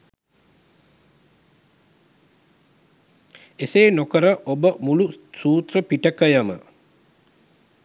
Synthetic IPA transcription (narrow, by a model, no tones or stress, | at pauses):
eseːnokəɾəʔobəmulusuːt̪rəpiʈəkəjəmə̰